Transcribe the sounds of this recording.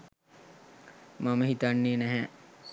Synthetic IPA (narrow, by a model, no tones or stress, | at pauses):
maməɦit̪anːeːnæɦɛ